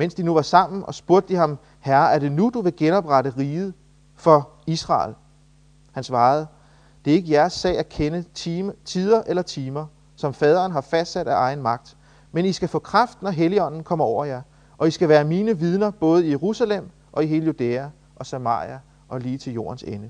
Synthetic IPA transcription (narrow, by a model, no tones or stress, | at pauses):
men̰sd̥inuʋɑ̈sɑ̈m̰n̩ʔɒ̽sb̥uɐd̥əd̥iɦɑ̈m | hæɐæɐde̝nud̥uʋe̝ɡ̥enɒ̽b̥ʁɑɾəʁiːð̩ˠ | fɒ̽ | isʁɑ̰̈ːl | hænsʋɑ̈ːð̞̩ˠ | d̥e̝æɐe̝ɡ̥əjæɐsːɛ̰ɪ̰ækʰenət͡sʰið̞ˠɐʔelɐt͡sʰiːmɐ | sɒ̽mfɛːð̞ˠɐːnɦɑ̈fæsd̥sæd̥æʔɑ̈ɪn̩mɑ̈ɡ̥̚d̥ | menisɡ̥æfɔ̰̽ːkʰʁɑ̈fd̥nɒɦeliɒ̽n̰n̩kʰɒ̽m̰ɐɒʊ̰ɐjæ | ʔɒ̽isɡ̥æʋæːɐmiːnəʋið̞ˠnɐb̥ɔ̽ːð̞̩ˠijeʁusælem̰ | ʔɒ̽iɦe̝ːləjud̥eːæ | ʔɒ̽sæmɑ̰̈ːḭæ | ʔɒ̽liːt͡sʰe̝ljo̝̰ːɐnsenə